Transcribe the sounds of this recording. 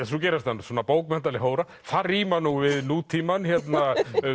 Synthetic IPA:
ɛθucɛːɾast̪answɔːnapoːwkmɛn̥t̪alɪɦoːwɾa | fariːmanuvɪðnuːt̪ʰiːmançjɛt̪na

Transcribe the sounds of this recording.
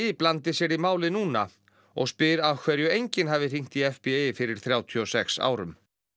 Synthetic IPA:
plant̪ɪsjɛɾimaːwlɪnuːna̰ | ɔ̰ɣspɪɾav̥kʰvɛɾjʏejɲcɪnɦaːvɪr̥iŋ̥t̪iɛfpɪejɪfɪɾɪɾ̥θɾjaːwt̪ʰiɔsɛksa̰ːwɾʏ̰m

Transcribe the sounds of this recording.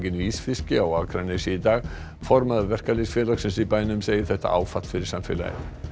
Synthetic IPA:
cɪniːsfɪscɪawaːkʰɾanesiit̪aːɣ | fɔɾmaðɪvɛr̥kalesfjɛːlaksɛmsipajnʏmseːjɪ̥θɛht̪a̰ʔa̰ːwfat̪l̥fɪɾɪɾ̥samfɪ̰la̰jɪ̰

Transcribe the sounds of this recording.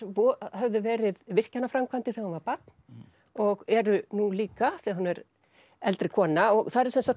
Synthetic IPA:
ɔhɛvðʏvɛːɾɪðvɪr̥canːafɾamkʰvant̪ɪθɛɣahanvaɾpat̪̚n | ɔɣɛɾʏnuliːkaθɛahunvɛɾ | ɛlt̪ɾɪkʰɔːnaɔɣθaɾɪɾsɛnsat̪

